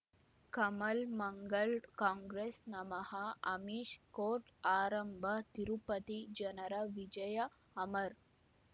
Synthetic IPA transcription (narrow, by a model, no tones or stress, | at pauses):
kɐmɐlmɐŋɡɐɭkaːŋɡɾeːsnɐmɐhɐɐmiːʃkoːɾʈaːɾɐmbʱɐt̪iɾupɐt̪id͡ʒɐnɐɾɐʋid͡ʒɐjɐ | ɐmɐɾ